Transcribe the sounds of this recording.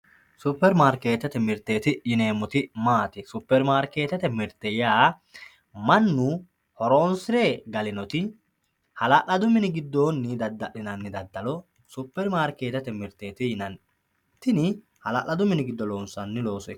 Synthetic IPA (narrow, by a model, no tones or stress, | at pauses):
sʊpːɛɾmaːɾkːe̞ːt̪ɛt̪ɛmɪɾt̪ːeːt̪ɪjɪne̞ːmɔt̪ɪmaːt̪ɪsʊpːɛɾmaːɾke̞ːt̪ɛt̪ɛmɪɾt̪ːɛjaː | mɐnːʊ | hɔɾo̞ːnsɪɾeɡɐlɪnɔt̪ɪ | hɐlɐʔɐd̪ʊmɪnɪɡɪd̪ːo̞ːnːɪd̪ɐd̪ːɐʔɪnɐnːɪd̪ɐd̪ːɐlɔ | sʊpːɛɾmaːɾke̞ːt̪ɛt̪ɛmɪɾt̪ːeːt̪ɪjɪnɐn | t̪ːɪnɪ | hɐlɐʔɐd̪ʊmɪnɪɡɪd̪ːɔlo̞ːnsɐnːɪlo̞ːsɛ